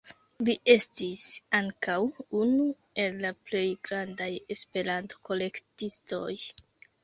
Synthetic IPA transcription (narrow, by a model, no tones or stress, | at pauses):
liʔe̞stisaŋkawunu | e̞lːaple̞jɡɾandaje̞spe̞ɾanto̥ko̞le̞ktisto̞̰j